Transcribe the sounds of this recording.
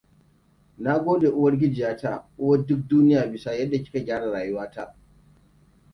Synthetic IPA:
na˦ɡʷoː˦de˨ʔʊ˦wɐ˦rɡʲɪ˦d͡ʒɪ˨jaː˦ta˦˨ʔʊ˦wɐ˦dʊ˦k̚duː˦nɪ˦jaː˨bɪ˨sa˦jɐ˦dːa˨kʲɪ̥˦ka˨ɡʲaː˦ɽa˨ɽaː˨jʊ˦waː˦ta˦ʔ

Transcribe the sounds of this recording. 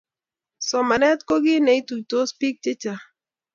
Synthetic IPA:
sɔ˨ma˨nɛ˦t̪ko˦ɡɪ˦ne˨i˦tu˨to˦spi˦k̚tɪ˦t͡ʃa˨

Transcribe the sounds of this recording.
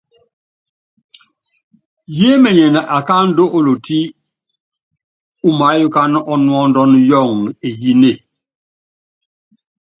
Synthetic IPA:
je˦mɛ˨ɲɛ˨na˨ʔa˨ka˦n̩˦do˦ʔo˨lo˨ti˦ | u˦ma˨˦ju˦ka˦n˦ʔɔ˦nwɔ˦ndɔ˦njɔ˦˨ŋe˨ji˦ne˦˨

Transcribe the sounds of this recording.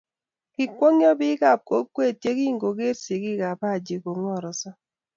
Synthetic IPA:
ki˨kʷo˦ŋjɔ˦bi˦ɡa˨p̚ko˦kːwe˦˨tje˦ki˦˨ŋɡo˨ɡe˦tse˨ki˦ka˨pa˦˨d͡ʒe˨ko˨ŋɔ˦˨ɾɔ˨sɔ˦

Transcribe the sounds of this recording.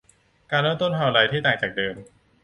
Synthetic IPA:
kaː˧nɾoː˥˩˨nt̪o˥˩nt̪ʰaː˧wla˧jt̪ʰiː˥˩t̪aː˨˩ŋt͡ɕaː˨˩k̚dɤː˧m

